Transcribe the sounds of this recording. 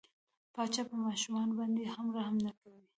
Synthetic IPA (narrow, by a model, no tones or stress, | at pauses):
pɑt͡ʃɑpəmɑʃumɑnobɑnd̪ehamɾahamnakawi